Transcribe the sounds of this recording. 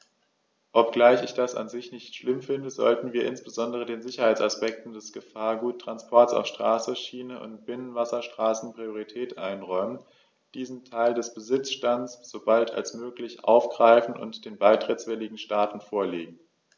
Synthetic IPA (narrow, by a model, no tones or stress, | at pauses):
ʔɔp̚ɡ̥laɪçɪçd̥asa̰nzɪçnɪçtʃlɪmfɪndəzɔ̰ltn̩viːɐʔɪnsb̥əzɔndəʁ̞ədeːnzɪçɐhaɪt͡saspɛk̚tn̩dɛsɡ̥əfaːɐɡuːtʰːʁ̥anspʰɔɐtsa̰ʊfʃtʁ̥aːsəʃiːnəʔʊ̰nt̚b̥ɪnənvasɐʃtʁ̥aːsn̩pʁ̥ioʁitʰɛːtʔaɪnʁɔʏmən | d̥iːzn̩tʰaɪldɛsb̥əzɪt͡sʃtansz̥obaltʰa̰lsmøːklɪçʔa̰ʊfɡ̥ʁaɪfn̩ʔʊ̰ntd̥eːnbaɪtʁ̥ɪtt͡sv̥ɛlɪɡŋ̩ʃtaːtn̩foːɐleːɡŋ̩